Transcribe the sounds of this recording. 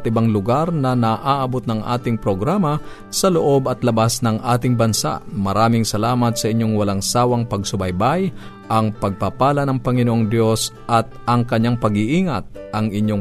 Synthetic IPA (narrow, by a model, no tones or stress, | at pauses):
t̪ʔɪbaŋlʊɡaɾnɐnɐʔaːʔɐbot̪̚nɐŋʔa̰ːt̪ɪŋpɾoɡɾaːmɐ | sɐloʔo̞bɐt̪lɐbasnɐŋʔaːt̪ɪŋbɐnsa̰ʔmɐɾaːmɪŋsɐlaːmɐt̪̚sɐʔɪɲjo̞ŋwɐlaŋsaːwɐŋpɐɡsʊbɐjbaj | ʔɐŋpɐɡ̚pɐpaːlɐnɐŋpɐŋɪnoʔoŋd̪jo̞s | ʔɐt̪̚ʔɐŋkɐɲːaŋpɐɡɪʔiːŋɐt̪̚ʔɐŋʔɪɲjoŋ